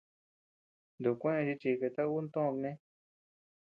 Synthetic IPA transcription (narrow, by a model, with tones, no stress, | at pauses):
nd̪u˨kʷẽ˦ẽ˧ʃi˧t͡ʃi˧ke˧t̪a˦u˦nt̪õ˦˧knẽ˦